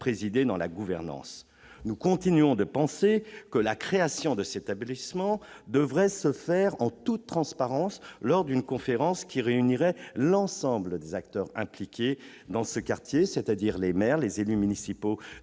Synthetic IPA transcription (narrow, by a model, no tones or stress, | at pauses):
pχezid̪ed̪ɑ̃la̰ɡuvɛʁnɑ̰̃s | nukɔ̃t̪inyɔ̃d̪əpɑ̃sekəlakχeasjɔ̃d̪əset̪ablismɑ̃ | d̪əvʁɛsəfɛʁɑ̃t̪ut̪ːχɑ̃spaʁɑ̃slɔʁd̪ynkɔ̃feʁɑ̃skʲʰiʁeyniʁɛlɑ̃sɑ̃bləd̪ezakt̪œʁɛ̰̃plikʲe | d̪ɑ̃səkaʁt̪jeset̪ad̪iʁlemɛʁlezelymynisipo